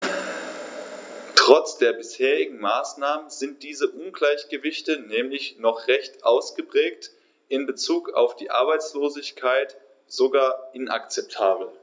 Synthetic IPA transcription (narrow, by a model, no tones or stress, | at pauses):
tʁ̥ɔt͡sd̥eːɐbɪsheːʁɪɡŋ̩maːsnaːmənzɪnt̚d̥iːzəʔʊnɡlaɪçɡ̥əvɪçtənɛːmlɪçnɔχʁɛçtʔaʊsɡ̥əpʁ̥ɛːkt | ʔɪnbət͡suːka̰ʊfd̥iːʔa̰ɐbaɪt͡sloːzɪçkʰaɪt | z̥oɡaːɐʔɪnʔa̰kt͡sɛp̚tʰaːbl̩